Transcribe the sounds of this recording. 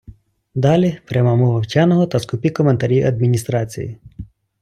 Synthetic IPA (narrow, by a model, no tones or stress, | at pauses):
d̪ɑlʲipɾʲɐmɑmɔʋɐwt͡ʃanɔɦɔt̪ɐskʊpʲikɔment̪ɐɾʲiwɐ̰d̪̚mʲinʲist̪ɾɑt͡sʲḭjḭ